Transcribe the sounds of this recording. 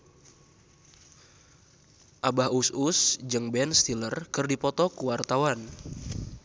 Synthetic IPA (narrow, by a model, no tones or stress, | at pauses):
ʔabahususd͡ʒɨŋbɛnst̪ilərkɨrdipɔt̪ɔkuwart̪awan